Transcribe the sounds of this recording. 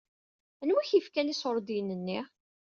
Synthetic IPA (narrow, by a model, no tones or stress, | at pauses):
ænwuçifkænisoɾˤd̪ijnːənːi